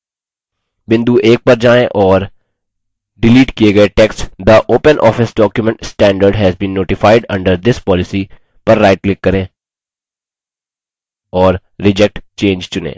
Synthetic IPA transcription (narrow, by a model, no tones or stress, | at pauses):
bɪ̃nd̪uʔeːk̚pɐɾd͡ʒaːẽʔɔːɾ | ɖɪliːʈkieɡɐeʈeːksʈd̪əʔoːpə̃nʔɔ̰ːfɪsɖɔːkjʊmɛ̃ɳʈsʈɛ̃ːɳɖəɾɖɦɛzbĩːnːoːʈɪfaɪɖɐ̰̃ɳɖəɾd̪ɪspɔːlɪsi | pɐɾːaɪʈ̚klɪkːɐɾẽː | ɔːɾːɪd͡ʒɛk̚ʈt͡ʃẽːnd͡ʒt͡ʃʊnḛ̃ː